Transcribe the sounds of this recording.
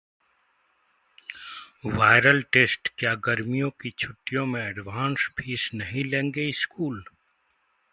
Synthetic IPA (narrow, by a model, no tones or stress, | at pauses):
ʋaːɪɾəlʈeːsʈkjaːɡəɾmijõkit͡ʃʰʊʈːijõmẽɛɖʋãːnspʰiːsnɐɦĩlẽːŋɡeɪskuːl